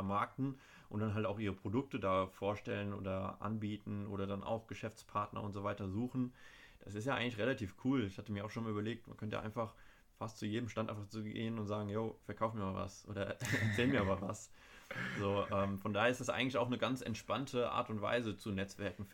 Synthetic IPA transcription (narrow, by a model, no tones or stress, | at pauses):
ɛɐmaɐk̚tn̩ | ʔʊntd̥anɦaltaʊxʔiːʁəpʁ̥odʊk̚tədaːfoːɐʃtɛlənʔo̰ːdɐʔa̰nbiːtn̩ʔo̰ːɾɐdana̰ʊxɡ̥əʃɛft͡spʰaɐtnɐ̰ʔʊ̰ntz̥oːvaɪtɐzuːxn̩ | d̥asɪstjaːʔaɪɡŋ̩lɪçʁelatʰiːfkʰuːlɪçhatəmiːɐaʊxʃoːnmalyːbɐleːk̚tmankʰœntəja̰ʔaɪnfaχ | fastt͡sujeːdəmʃtantʔaɪfaχt͡suɡḛːənʊntz̥aːɡŋ̩joːfɛɐkʰaʊfmiːɐmaːlva̰sʔo̰ːdɐɛ̰ɐt͡sɛːlmiːɐamaːvas | zoːʔɛːmfɔndaːheɐɪstd̥asʔa̰ɪŋ̩lɪçaʊxnəɡant͡sɛ̰ntʃpantʰəʔa̰ːɐtʊntv̥a̰ɪzət͡sunɛt͡sv̥ɛɐkŋ̩